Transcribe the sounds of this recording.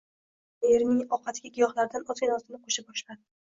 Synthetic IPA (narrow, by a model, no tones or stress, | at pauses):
eɾnɪŋɒqɑt̪ɡʲaɡʲɪjɒχlaɾd̪anɒzkʲanɒst̪ɪnɪqʰoʃabɒʃla